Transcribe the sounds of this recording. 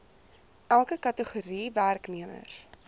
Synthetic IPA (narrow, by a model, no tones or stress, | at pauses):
ʔælˠkəkɐtəχuɾiværkniəmə̰r